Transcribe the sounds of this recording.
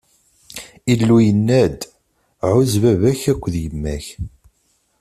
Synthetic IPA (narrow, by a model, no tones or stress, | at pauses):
ilːujənːæd̪ | ʕʊzvævæçækʷːðjəmːæç